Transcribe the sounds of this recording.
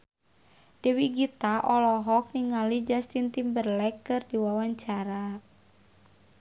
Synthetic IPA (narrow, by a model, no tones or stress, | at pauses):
d̥ɛwiɡit̪aʔɔlɔɦɔk̚niŋalid͡ʒast̪int̪imbərlɛkːɨrdiwawaɲt͡ʃaɾa